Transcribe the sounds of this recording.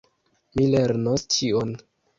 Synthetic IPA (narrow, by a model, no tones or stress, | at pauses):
mile̞ɾnost͡ʃion